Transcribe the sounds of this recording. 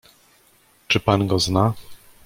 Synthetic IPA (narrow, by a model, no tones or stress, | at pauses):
t͡ʂɘpanɡɔzna